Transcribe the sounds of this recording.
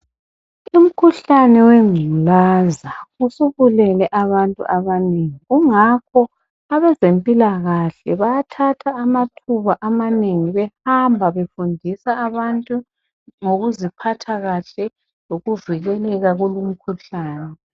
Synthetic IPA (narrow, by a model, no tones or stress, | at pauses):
um̩kʰuɬanɛweŋulaːzausuβulɛlɛʔaβantʼṵʔaβaneŋiɣuŋakʰɔ | aβɛzempʼilaɣaɬɛβajatʰatʰaːmatʰuβaʔamaneŋiβɛhambʱaβefundʱisaːβantʼu | ŋoɣuzipʰatʰaɣaɬɛ | loɣuviɣɛlɛɣaɣulum̩kʰuɬaːnɛ